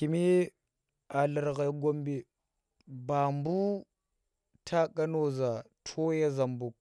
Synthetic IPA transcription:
ki˨mi˦ | a˨lə˨ɾɣa˨˦ɡo˦mbi˨ | ba˨mbu˦ | tʰa˦ka˦no˦za˨ | tʰo˦ja˦za˨mbu˨k̚

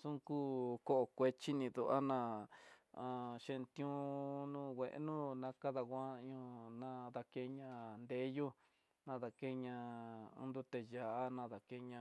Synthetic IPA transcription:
sũ˦kuː˦ko˦ʔo˧˨kʷe˧t͡ʃi˦nĩ˧ðu˧ʔa̰˦nã˧˨ | a˨ʃẽ˧nt̪jũ˦nũː˦wʷe˨ʔḛ˦nũ˦nã˧ka˦ða˧ɣʷã˦ɲũ˧nã˧ða˧ke˧˦ɲã˧nd̪e˧˦ju˦ | nã˧ða˧ke˧ɲã̰˧nd̪u˧t̪e˧ja˨a˦nã˧ða˨ke˧ɲã˧

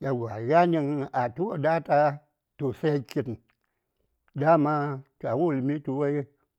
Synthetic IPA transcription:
ja˨ɡʷa˨ɣa˦ɲi˧ŋa˨tu˦wo˦da˦ta˦ | tu˨se˦ki˧t | da˦ma˦ta˨wu˦˨lmi˦tu˧we˦j

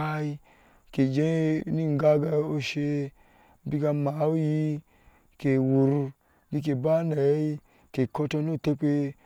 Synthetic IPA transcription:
a˦i˧ | ke˨d͡ʒe˦ni˦ŋ˨ɡa˦ɡa˧o˧ʃe˧ | bi˧ɡa˧ma˨˦o˦ji˧ | ke˨wu˨ɾu˧ | bi˧k̬e˨ba˦na˨˦i˦ | ke˨kɔ˧tɔ˧no˦˨te˧k͡pe˧

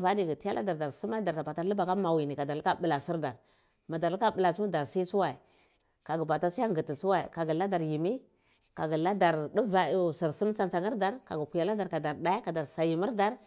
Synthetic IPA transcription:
va˦di˦ɡi˨ti˦a˦lʔa̰˦da˨ɾda˨ɾsi˦ma˦da˨a˨ba˨ta˦lə˦ba˨ka˦ma˨wi˨ni˨ka˨da˨ɾka˦bə˨la˨si˦ɾda˨ɾ | ma˨da˨ɾlka˦bə˨la˨t͡su˦da˨ɾsi˦t͡su˦wa˨i˨ | ka˨ɡu˨ba˨ta˦si˦a˦ŋɡə˨ti˨t͡su˦wa˨ḭ˨ka˨ɡi˨la˦da˨ɾji˨mi˦ | ka˨ɡu˨la˦da˨ɾdu˦va˨si˨ɾsi˦m˦t͡sa˦nt͡sa˨ŋi˦ɾda˨ɾka˨ɡu˨ku˨ja˨la˦da˨ɾka˨da˨ɾda˦i˦ka˨da˨ɾsa˨ji˨mi˦ɾda˦ɾ

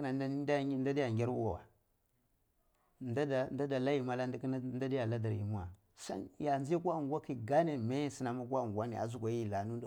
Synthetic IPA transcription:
na˨˦dnda˦di˦ja˨ŋɡʲi˦ɾwu˦a˨wa̰˨ | nda˦da˨nda˦da˨la˦ji˨ma˦la˦dknda˦di˦ja˨la˦da˨ɾji˨mu˦a˨ | sa̰˦nja˨nd͡ʒa˦kʷa˦˨ŋ˨ɡʷa˦ki˨ɡa˦ne˨me˦si˦na˨ma˦kʷa˦˨ŋɡʷa˦ni˨a̰˨zu˦kʷa˨ji˦la˨nu˦

